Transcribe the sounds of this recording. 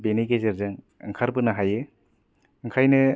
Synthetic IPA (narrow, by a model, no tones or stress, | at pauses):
benijɡezeɾzɯŋ | ɯ̰ŋkʰaɾbɯnɐɦajɯ | ɯŋkʰajnɯ